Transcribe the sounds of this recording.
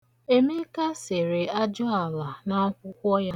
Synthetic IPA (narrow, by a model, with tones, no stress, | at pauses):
e˦me˦ka˦se˨ɾe˨a˦d͡ʒɔ˦a˨la˨na˦kʷʊ˦kʷɔ˦ja˦